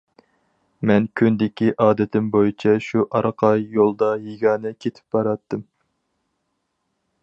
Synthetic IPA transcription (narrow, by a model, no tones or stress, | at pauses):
mɛnkʲʰynd̪ɪkʲiʔɑːd̪ɪt̪ʰɪmbojit͡ʃʰɛʃuʔɑɾqʰɑjolˠd̪ɑjiɡʲɑːnɛkʲʰet̪ʰɪ̥p̚bɑɾɑt̪ːɨm